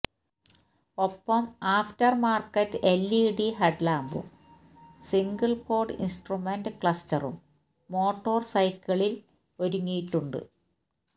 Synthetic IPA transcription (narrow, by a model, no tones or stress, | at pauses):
o̞pːɐmaːftɐrmaːrkːɐtːɨelːiɽiɦɐɖlaːmbṵm | siŋɡɐɭfo̞ːrɖḭnsʈrumenɖɨkɭɐstɐrṵmː | o̞ːʈːo̞ːrsɐjkʲɐɭil | o̞ɾuŋːijiʈːuɳɖɨ̰